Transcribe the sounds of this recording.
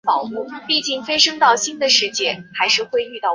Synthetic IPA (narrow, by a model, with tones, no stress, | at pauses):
ɑ˨˩ʊxu˥˩pi˥˧t͡ɕi˥˩ŋfe˥ɪʂɤ˥ŋt̪ɑ˥˩ʊɕi˥nd̪ə˨ʂɻ̩˥˩t͡ɕjɛ˥˩xa˧˥ɪʂɻ̩˥˧xwe˥˧ɪy˥˧t̪ɑ˥˩ʊ